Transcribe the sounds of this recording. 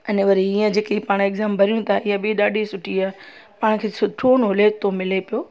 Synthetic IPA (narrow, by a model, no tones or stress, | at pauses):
ɐneʋɐɾiiːə̃d͡ʑeːkeipaːɽ̃eɡzaːmbʱɐɾijũt̪ʰaijə̃ɓiɗaːɗʱisʊʈʰiaː | paːɽ̃kʰeːsʊʈʰoːnɦʊlet̪omɪlepijoː